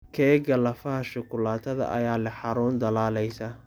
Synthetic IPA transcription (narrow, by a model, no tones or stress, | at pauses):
kʰɛːɡɐlɐfɐɦɐʃʊkʰʊlaːt̪ʰɐðɐ̰ʔɐ̰jaːlɐħɑɾuːnd̪ɐlaːlɛjsa